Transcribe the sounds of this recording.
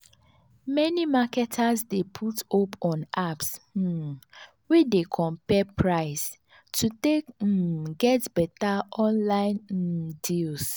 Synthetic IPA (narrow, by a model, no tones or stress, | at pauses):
mɛnimakɛtʰasdepʰutopɔ̃nʔaps | widekʰɔ̃mpɛpʰɹaɪs | tʰutekɡɛtbɛtaʔɔ̃nlãɪ̃ndils